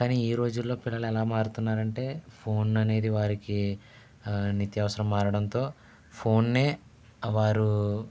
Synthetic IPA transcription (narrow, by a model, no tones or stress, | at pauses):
kaːniːiːɾo̞ːd͡ʒulːo̞ːpilːɐlɛlaːmaːɾut̪unːaːɾɐɳʈe̞ːpʰo̞ːnɐne̞ːd̪iʋaːɾiki | nit̪jɐʋɐsɐɾɐmːaːɾɐɽɐnt̪o̞ː | pʰo̞ːnːe̞ː | ʋaːɾu